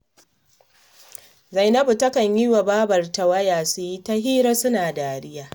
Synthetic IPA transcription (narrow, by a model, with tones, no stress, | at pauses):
za˨jnɐ˦bu˨tɐ˦kɐ˨ɲji˦wa˨baː˦bɐ˨rta˨wɐ˦jaː˨su˨ji˦ta˦ɦiː˦ɾɐ˦sʊ˦naː˨daː˨ɾɪ˦jaː˦